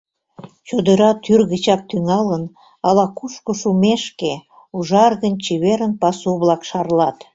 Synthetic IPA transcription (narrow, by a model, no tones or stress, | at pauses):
t͡ɕod̪əɾɑt̪yrɣət͡ɕɑk̚t̪yŋɑlən | ɑlɑkuʃkoʃumeʃke | uʒɑrɣənt͡ɕiβeɾənpɑsuβlɑkʃɑrlɑt̪